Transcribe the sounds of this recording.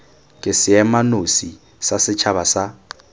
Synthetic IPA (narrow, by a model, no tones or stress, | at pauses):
kʼɪsɪɛmanosi | sasɪt͡ʃʰaβasa